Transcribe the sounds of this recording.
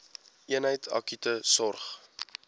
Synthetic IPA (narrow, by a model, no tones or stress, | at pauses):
iənɦəjtʰɑ̰kitəsɔrχ